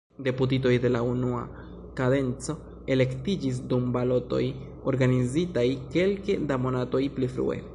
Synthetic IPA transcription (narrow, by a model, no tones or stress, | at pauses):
de̞put̬ito̞jde̞launua̰ | kade̞nt͡so̞ | e̞le̞ktid͡ʒis̬dumbalo̞to̞̰j | o̞ɾɡanizitajke̞lke̞damo̞nato̞jplifɾṵḛ